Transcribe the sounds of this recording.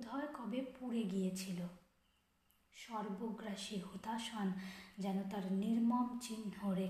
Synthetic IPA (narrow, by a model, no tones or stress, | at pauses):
ud̪ʱɔekɔbepuɾeɡijet͡ɕʰilo | ʃɔɾboɡɾaʃiɦut̪aʃand͡ʑɛnot̪aɾniɾmɔmt͡ɕinɦoɾe